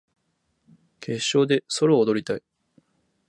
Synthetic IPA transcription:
kʰe̞ɕːo̞ːd̪e̞so̞ɾo̞ːd̪o̞ɾʲit̪ai

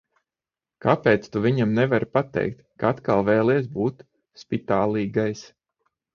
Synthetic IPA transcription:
kapɛːt̪st̪uvʲiɲamnɛvaɾpat̪ɛ̰jk̚t̪kaat̪kalˠvɛːlˠiɛs̬buːt̪ | spit̪aːlˠiːɡajs

